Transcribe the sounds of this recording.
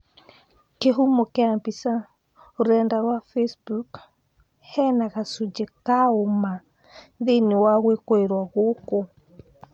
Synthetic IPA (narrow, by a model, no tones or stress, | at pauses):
keɦumokeambisa | oɾɛːndaɾwafesbuk | hɛnaɣasud͡ʒekaoma | ðenewaɣwekoeɾwaɣoːko